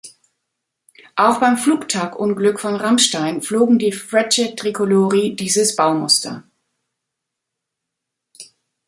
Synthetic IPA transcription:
ʔaʊxb̥aɪmfluːktʰaːkʔʊnɡlʏkfɔnʁamʃtaɪnfloːɡŋ̩diːfʁɛt͡ʃətʁ̥ikʰoloːʁidiːzəsb̥aʊmʊstɐ̰

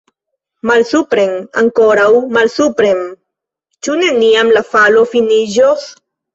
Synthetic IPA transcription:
malsupɾeŋa̰ŋkoɾawmalsupɾem | t͡ʃuneniamlafalofiniʒos

